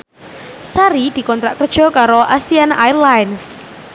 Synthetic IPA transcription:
saɾid̪̥i̤kɔnt̪ɾaʔkərd̥ʒ̥ɔ̤kaɾoʔasiana̰jrlajns

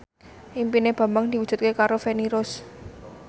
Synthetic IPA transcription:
ʔimpineb̥ä̤mbaŋd̪̥i̤wu̥d̥d͡ʒ̥ṳt̪̚kekaɾofeniɾʊs

